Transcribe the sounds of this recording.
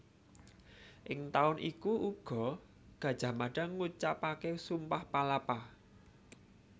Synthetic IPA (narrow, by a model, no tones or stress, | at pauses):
ʔɪŋt̪aʊnʔikuʔuɡ̥ɔ̤ | ɡ̥ä̤d̥ʒ̥a̤maɖ̥a̤ŋut͡ʃapakesumpahpalapa